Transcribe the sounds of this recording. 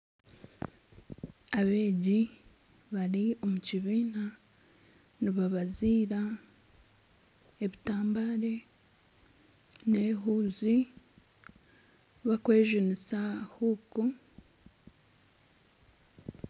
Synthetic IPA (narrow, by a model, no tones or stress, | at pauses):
aβe̞ːɟi | βaɾio̞muciβiːna | niβaβaziːɾa | eβitaːmbaɾe̞ | neɦuːzi | βakwe̞ːʒinisahuku